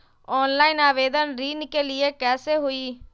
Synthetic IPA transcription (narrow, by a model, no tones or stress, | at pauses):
ɔːnlaːɪnaːʋeːd̪ənɾiːnkelɪekɛːseɦʊiː